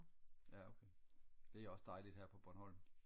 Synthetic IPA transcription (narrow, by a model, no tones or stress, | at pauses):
jæokʰed̥e̝æɒ̽sd̥ɑ̈ɪlid̥hæɐ̰pʰɒ̽b̥ɒnhɒ̽l̰n̩